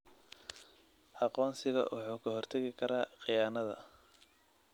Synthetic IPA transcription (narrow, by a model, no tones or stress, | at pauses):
ʔɑqɔːnsɪɣɐ̰wʔɑ̰ħuːkʰɐɦɔrt̪ʰɐɣɪkʰɐɾaːqijaːnɐðɐ̰